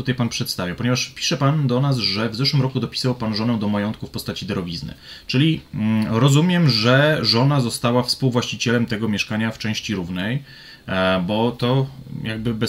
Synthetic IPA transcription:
ut̪ajpanpʂɛt̪st̪avʲjapɔɲɛvaʂpʲi̥ʂɛpand̪ɔnasʐɛvzɛʂwɘmɾɔkud̪ɔpʲi̥sɨvwawpanʐɔnɛw̃d̪ɔmajɔnt̪̚kufpɔst̪at͡ɕid̪ɛɾɔvʲiznɘ̰t͡ʂɘlʲiɾɔzumʲjɛmʐɛʐɔnazɔst̪awafspuwvwaɕt͡ɕit͡ɕɛlɛmt̪ɛɡɔmʲjɛʂkaɲaft͡ʂɛ̃w̃ɕt͡ɕiɾuvnɛj | bɔt̪ɔjaɡ̚bɘbɛ

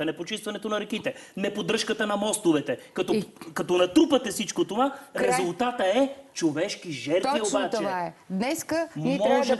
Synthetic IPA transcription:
ɐnɛpot͡ʃist̪vɐnɛt̪onɐɾɛk̟it̪ɛnɛpod̪ɾɤʃkət̪ənɐmɔst̪ovɛt̪ɛkɐt̪ɔkɐt̪ɔnɐt̪ɾupɐt̪ɛfsit͡ʃkot̪ovaɾɛzʊlˠt̪at̪əɛt͡ʃovɛʃk̟iʒɛɾt̪vviobat̪t͡ʃɛaɛd̪nɛskəmɔʒɛ

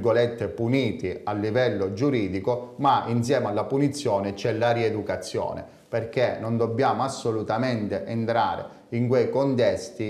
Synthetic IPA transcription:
ɡolɛt̪ːepuniːt̪ialːivɛlːod͡ʒuɾiːd̪ikomains̬jɛːmalːapunit̪sːjɔːnet͡ʃɛlːaɾied̪ukat̪sːjɔ̰ːnḛ | perk̟enːond̪obːjaːmoasːolut̪ament̪eʔent̪ɾa̰ːɾḛ | iŋkwejkont̪ɛst̪i

